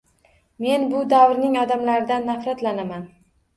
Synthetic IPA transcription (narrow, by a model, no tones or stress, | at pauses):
me̞nbʊd̪awɾnɪŋɒd̪amlaɾɪd̪anːafɾat̪lanaman